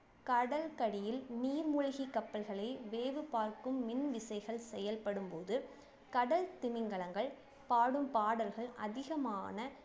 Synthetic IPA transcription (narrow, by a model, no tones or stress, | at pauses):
kɐɽɐlkɐɽɪjɪlniːɾmʊɻɐɣikːɐpːɐlɣɐɭɐɪʋeːʋɯpaːɾkɯmːɪnʋɪsɐɪɣɐɭsɛjɐlpɐɽɯmpoːðɯ | kɐɽɐlt̪ɪmɪŋɡɐɭɐŋɡɐɭ | paːɽɯmpaːɽɐlɣɐɭʔɐ̰ðɪɣɐmaːnɐ